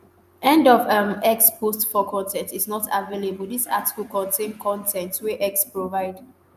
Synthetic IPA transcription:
ɛ̃ndɔvəmɛkspʰostfɔkʰɔ̃ntʰɛ̃ntiznɔtʰavelebəldisa̰ti̥kl̩kɔ̃ntʰẽnkʰɔ̃ntʰɛ̃ntwɛʔɛkspɹovaɪd

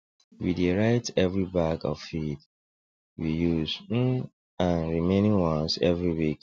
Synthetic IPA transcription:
wideɹaɪtɛvɹibakɔ̰v̥fid | wijuz̩ | ãnɹimẽnĩŋwɔ̃nsɛvɹiwik

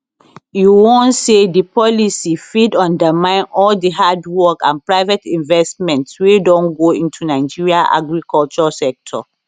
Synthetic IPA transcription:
juwõntsedipɔlisifidɔ̃ndəmãɪ̃nɔldiɦadwɔkã̰npɹaɪvɛtĩnvɛsmɛ̃ntswedɔ̃nɡoĩntʰunaɪd͡ʒiɹiaʔa̰ɡɹikɔlt͡ʃɔsɛk̚tʰɔ̰

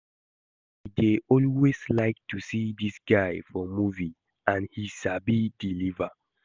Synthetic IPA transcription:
hideʔɔlweslaɪk̚tusidisɡ̥aɪfɔmuvi | ãnhisabidilivə

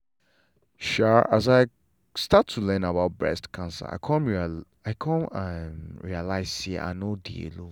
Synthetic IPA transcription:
ʃaʔa̰zaɪ | statʰːulɛ̃nabaʊt̚bɹɛ̰stkʰãnsə̰a̰ɪkʰɔ̃nɹi | aɪkʰɔ̃namɹialaɪzsiʔa̰nodḭḛlo

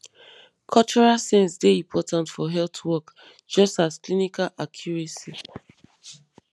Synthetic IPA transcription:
kʰɔlt͡ʃɔɹalsɛ̃nsdeĩmpʰɔtãntfɔɦɛltʰwɔk | d͡ʒɔstasklinikalʔakʰjɔɹesi

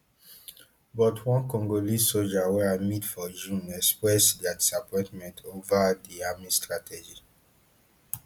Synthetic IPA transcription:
bɔtʰwɔ̃nkɔ̃ŋɡolisod͡ʒawɛɹamitfɔd͡ʒũnɛkspɹɛsdɛadisapɔ̃ɪ̃ntmɛ̃ntʰovadiamĩstɹatɛd͡ʒi

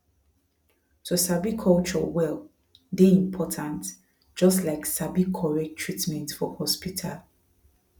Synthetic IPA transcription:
tʰusabikʰɔlt͡ʃɔ̰wɛl | deĩmpʰɔtʰãnt | d͡ʒɔstlaɪksabikʰɔɹɛk̚tʰɹitmɛ̃ntfɔhɔspitʰa̰l

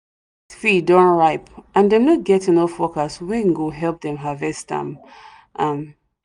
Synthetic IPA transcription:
fidɔ̃nɹaɪpʔãnðɛ̃mnɔt̚ɡɛtɪ̃nɔfɔkaswɛ̃ŋɡoɦɛlˠp̚ðɛ̃mɦavɛstã̰m | ʔãm

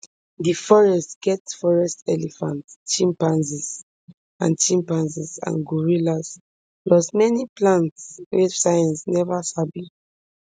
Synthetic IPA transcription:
difɔɹɛstɡ̥ɛtfɔɹɛstɛlifãntt͡ʃĩmpãnsɛs | ã̰nt͡ʃĩmpãnsɛsã̰nɡuɹilas | lɔsmɛniplãntswefsajãnsnɛvasabi

